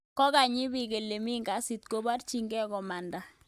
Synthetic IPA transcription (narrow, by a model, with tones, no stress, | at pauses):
kɔ˦ka˨ɲɪ˦bi˨ke˨lːe˨mi˦ŋɡa˨˦si˨t̪̚ko˦ba˦rt͡ʃi˦ŋɡɛ˦kɔ˨ma˨nda˨